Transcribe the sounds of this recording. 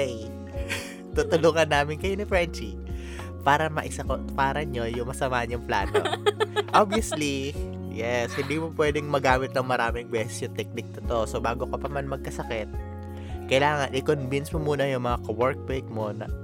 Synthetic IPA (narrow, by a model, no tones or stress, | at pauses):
j | t̪ut̪ʊluːŋɐnːaːmɪnkɐjonɪfɹɛnt͡ʃi | paːɾɐmɐʔɪsɐkopaːɾɐɲojʊŋmɐsɐmaːhɐɲʊŋpla̰ːno̰ʔobiɐsli | jɛshɪnd̪iːmopwɛːd̪ɛŋmɐɡaːmɪt̪̚nɐŋmɐɾaːmɪŋbɛːsɛsjʊŋt̪ɛk̚nɪk̚t̪ot̪oʔsobaːɡokɐpɐmanmɐɡ̚kɐsɐkɛt̪̚ | kɐjlaːŋɐnʔɪkonvinsmomuːnɐjʊŋmɐŋakɐwɛɹk̚pejk̪̚mo̞nɐ̰